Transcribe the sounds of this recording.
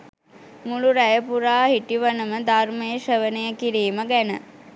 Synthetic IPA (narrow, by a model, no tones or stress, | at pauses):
muluɾæjəpuɾaːhiʈiʋənəməd̪armejəʃəʋənəjəkiɾiːməɡænə̰